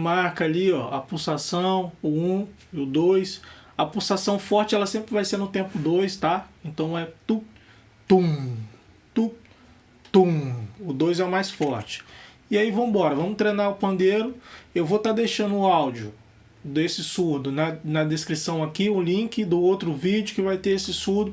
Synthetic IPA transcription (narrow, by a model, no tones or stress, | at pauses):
maɾkɐliɔɐ̰pusasɐ̃w̃ʊũ | ɪʊd̪ojsɐpusasɐ̃w̃fɔɾt͡ʃɪɛlɐsẽmpɾɪvajseɾnʊt̪ẽpʊd̪ojst̪aẽnt̪ɐ̃w̃ɛt̪u | t̪ũ | t̪u | t̪ũʊd̪ojzɛmajsfɔɾt͡ʃɪ̥ | iaivɐ̃m̃ʊbɔɾɐvɐ̃mʊt̪ɾejnaɾʊpɐ̃nd̪eɾʊewvot̪ad̪ejʃɐ̃nd̪ʊʊawd͡ʒiʊ | d̪esɪsuɾd̪ʊnɐnɐd̪eskɾisɐ̃w̃akiʊlĩkɪd̪ʊowt̪ɾʊvid͡ʒɪʊkɪvajt̪eɾesɪsuɾd̪ʊ